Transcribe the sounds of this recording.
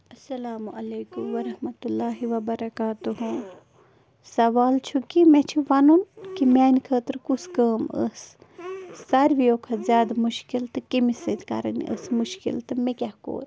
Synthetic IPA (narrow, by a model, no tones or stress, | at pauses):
ɐsːɐlaːmuʔɐleːkumʋɐɾɐhmɐt̪ulːaːɦiʋɐbɐɾɐkaːt̪uɦu | sɐʋaːlt͡ʃʰukimɛ̃t͡ʃʰiʋɐnunkimaːnikʰəːt̪ɾkuskəːmə̰sː | ɐɾʋijoːkʰɐzjaːd̪muʃkilt̪ɨkimised̪kɐ̰ɾɐniʔə̰smuʃkḭlt̪ɨmẽkʲahko̰ːɾʲ